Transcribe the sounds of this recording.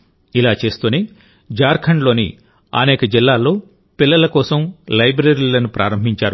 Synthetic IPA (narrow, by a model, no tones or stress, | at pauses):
ilaːt͡ʃe̞ːst̪uːne | d͡ʒaːɾkʰɐɳɖlo̞ːnḭ | ɐ̰nɛːkɐd͡ʒilːaːlːo̞ː | pilːɐlɐkɔːsɐmlɐjbɾeɾilɐnupɾʔa̰ːɾɐmbʱiɲt͡ʃaːɾu